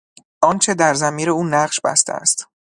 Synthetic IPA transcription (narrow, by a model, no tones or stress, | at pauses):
ʔɒːnt͡ʃʰe̞d̪æɾzæmiːɾeuːnæɢʃbæ̰st̪ʰḛæ̰st̪